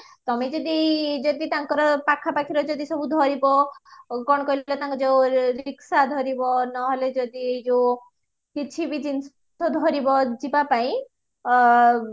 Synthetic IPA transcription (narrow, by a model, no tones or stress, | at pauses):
t̪ɔmed͡ʒɔd̪id͡ʒɔd̪it̪aŋkɔɾɔpakʰapakʰiɾɔd͡ʒɔd̪isɔbud̪ʱɔɾibɔkɔɽɔkɔilɔt̪aŋkɔd͡ʒewɾiksad̪ʱɔɾibɔnɔɦoled͡ʒɔd̪id͡ʒew | kit͡ʃʰibid͡ʒins | sɔd̪ʱɔɾibɔd͡ʒibapaĩ